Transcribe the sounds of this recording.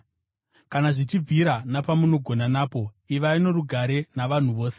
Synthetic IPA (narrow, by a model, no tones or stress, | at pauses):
kanaʐit͡ʃib͡vʱiɾanapamuno̞ɡʱo̞nanaːpo̞ | iʋaino̞ɾuɡʱaɾe̞naʋan̤uʋo̞ːse̥